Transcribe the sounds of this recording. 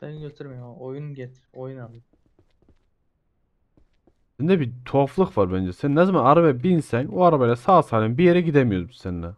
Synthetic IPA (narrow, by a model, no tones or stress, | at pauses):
b̥ɛnɟøt̪ʰyɾmejojunɟɛt̪ʰ | ojunabɯ | ind̪ɛbit̪ʰoflˠɯxvaɾbænd͡ʒɛsænnːɛzmanaɾabɛbinsænoaɾabajlʲɛsaːsaːlʲinbijeɾɛɟid̪ɛmijoɾbi̥seninɛ